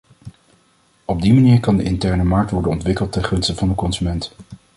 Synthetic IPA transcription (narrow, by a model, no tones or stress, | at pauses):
ɔb̚dimaniːɹkɑndəʔɪntɛɹnəmɑɹk̚tʋɔɹdənɔntʋɪkəlˠtɛnχɵnstəvɑndəkɔnzymɛnt